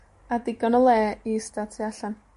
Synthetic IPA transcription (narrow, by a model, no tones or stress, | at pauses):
adɪɡɔnɔlˠɛːistatʰiaɬan